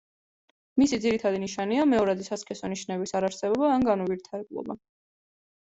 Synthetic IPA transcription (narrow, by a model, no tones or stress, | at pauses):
misid̪ziɾit̪ʰad̪iniʃaniamɛɔɾad̪isaskʼɛsɔniʃnɛbisaɾaɾsɛbɔbaːnɡanɔviɾt̪ʰaɾɛblˠɔ̰ba